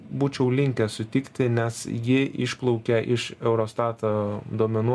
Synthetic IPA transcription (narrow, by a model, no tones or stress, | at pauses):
buːt͡ʃʲɛʊlʲɪŋʲkʲɛsʊt̪ʲɪkt̪ʲɪnʲɛsjɪɪʃplˠɔʊkʲɛʔɪʃɛʊɾoːst̪ɑːt̪oːd̪oːmʲɛnuː